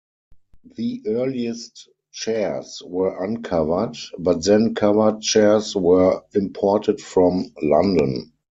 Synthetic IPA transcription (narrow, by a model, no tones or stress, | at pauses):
ðiʔɜːliəst | t͡ʃɛswɜ˞ʔãnkʰavə˞dbat̚ðɛ̃nkʰavə˞d̚t͡ʃɛswɜ˞ɪ̃mpʰɔɹtʰədfɹɔ̃mlãndə̃n